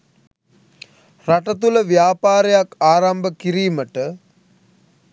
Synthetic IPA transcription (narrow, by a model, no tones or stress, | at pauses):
raʈət̪uləʋjaːpaːɾejakaːɾambəkiɾiːməʈə